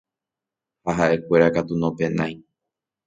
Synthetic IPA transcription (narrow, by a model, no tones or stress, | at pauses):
haɦaʔe̞kʷe̞ɾakat̪unõpẽ̞nãj̃